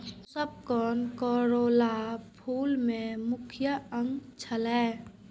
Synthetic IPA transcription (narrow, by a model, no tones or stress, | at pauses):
səb̚kɔːnkɔːɾolapʰuːlmẽmʊkʰjəə̃ŋɡt͡ʃʰəlɛː